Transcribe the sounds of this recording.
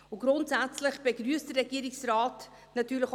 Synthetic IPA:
ʊɡ̥ɾʊntsat͡slɪχb̥eɡɾyəstd̥ərɛɡiːəɾɪksraːt | nɑtyːləx

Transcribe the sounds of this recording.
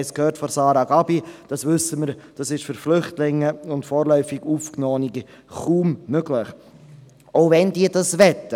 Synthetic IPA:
skhøːrtfɔsɑːɾɑɡ̥ɑbid̥ɑsʋʏsəməɾd̥ɑsɪʃfʏɾflʏχtlɪŋːəʊntfɔːɾlœʏfiɡuːfknɔːniɡə | χuːmmøɡləχ | oʊvɛnd̥iːəd̥ɑsʋɛt̪ːə

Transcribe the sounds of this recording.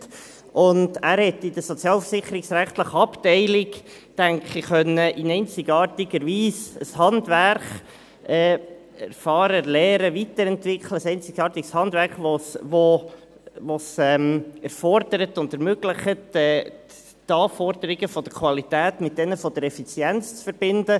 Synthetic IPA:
ʔʊndæːɾhɛtːɪd̥əsɔt͡sjɑːlfə̥sɪχəɾɪksɾæχt̪ləχəɑptɛɪlɪɡ | tæŋkχiχœnːəʔɪnɛɪnt͡sɪɡɑːrtiɡəɾʋiːsəshɑndværχ | ɛː | ɛɾfɑːɾəlɛːɾəʋitəɾɛntvɪkχləsɛɪnt͡sɪɡɑːɾtiɡshɑnd̪væɾχʋosʋo | ʋosɛmɛɾfɔrd̥̪əɾətʊndɛɾmøɡlɪχətɛː | tɑːfɔɾd̥əɾiɡəfɔd̥̪əkʰwɑlit̪æːtmɪt̚d̥ɛnəfɔd̥̪əɾɛfit͡sjɛnt͡st͡sfəɾb̥ɪndə

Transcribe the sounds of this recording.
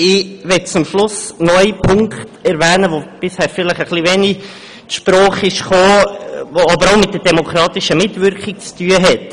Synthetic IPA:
ɪʋɛt̚t͡sʊmʃlʊsnɔʏipʰʊŋkχtɛɾvɛːnəʋob̥ɪshɛːɾfɪləχəχliʋɛni | tʃpɾɔːχɪʃχoːoɑbəɾaʊmɪtdədɛmokχɾɑːt̪ɪʃəmɪtvʏɾkχɪk̚t͡styːəɦɛt

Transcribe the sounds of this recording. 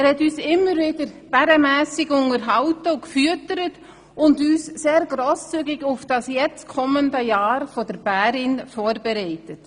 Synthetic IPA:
ɛːɾhɛtyːsɪmːəɾvɪdəɾb̥ɛɾəmɛːsɪɡʊŋəɾɦɑʊtəukfyətəɾət | ʊndyːsseːɾɡɾoːst͡syɡɪɡʊfd̥ɑsjɛt͡stkʰɔməndəjaːɾfɔdəɾb̥æːɾɪnfoːɾbɛɾɛɪtət

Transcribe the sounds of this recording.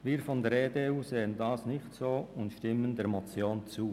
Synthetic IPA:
viːɾfɔndɛɾeːdeːuːzeːəndɑːsnɪçtsoːʊntʃtɪməndɛːɾmot͡sjoːnt͡suː

